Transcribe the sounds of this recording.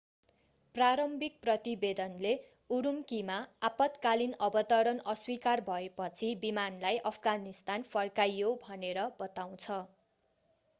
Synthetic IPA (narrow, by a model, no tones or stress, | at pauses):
praɾʌmbʱik̚prʌt̪ibed̪ʌnle | uɾumkimaapʌt̪kalinʌbʌt̪ʌɾʌnʌswikarbʱʌepʌt͡sʰibimanlajʔʌpʰɡanist̪anfʰʌrkajːobʱʌneɾʌbʌt̪aw̃t͡sʰʌ